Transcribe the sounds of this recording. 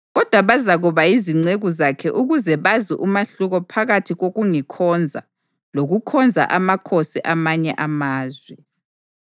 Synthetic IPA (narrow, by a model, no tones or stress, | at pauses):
ɣɔd̥ʱwaβazaɣuβaiziŋ͡ǀeɣuzakʰɛʔuɣuzɛβaziʔumaɬuɣɔpʰaɣatʰiɣoɣuŋikʰɔnd͡zʱa̰ | loɣukʰɔnd͡zʱa̰ʔamakʰosiʔamaɲɛ̰ʔamaːzwɛ